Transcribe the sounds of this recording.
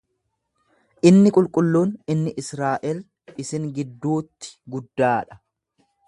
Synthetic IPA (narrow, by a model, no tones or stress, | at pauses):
ʔɪnːɪkʼʊlkʼʊlːuːnɪnːɪʔɪsɾaːʔɛl | ɪsɪŋɡɪd̪ːuːt̪ːɪ̥ɡʊd̪ːaːᶑɐ̥